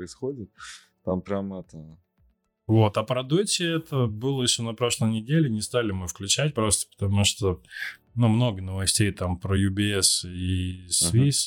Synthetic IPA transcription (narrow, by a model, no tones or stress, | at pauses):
əɪsxodʲɪt̪̚ | t̪ampɾʲamɛt̪ə | vo̞t̪ɐpɾɐd̪utʲɪɛt̪əbɨlˠəjɪɕːo̞nɐpɾo̞ʂlˠəjnʲɪdʲelʲɪnʲɪst̪alʲɪmɨfklʲʉt͡ɕæt̚ʲpɾo̞st̪ə̥pə̥t̪ɐmuʂt̪o | numno̞ɡənəvɐsʲtʲejt̪ampɾəjʊbʲɪɛsisvʲisʲ